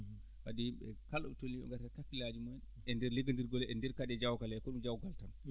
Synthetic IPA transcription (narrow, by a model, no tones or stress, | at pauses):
wadijimɓɛ̰kalːɔ̰ɓɛtonːiɛ̰ŋɡaɾakakːilad͡ʒimɔjɛn | ɛndɛɾleɡandiɾɡɔlɛndɛɾkadɛd͡ʒawkalɛkɔɗumd͡ʒawɡaltan